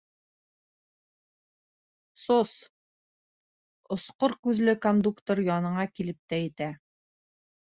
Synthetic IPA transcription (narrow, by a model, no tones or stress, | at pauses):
sos | ŏsqoɾkʉðlɘkond̪ukt̪oɾjɑnɤ̆ɴɑkilɘp̚t̪æjɘ̆t̪æ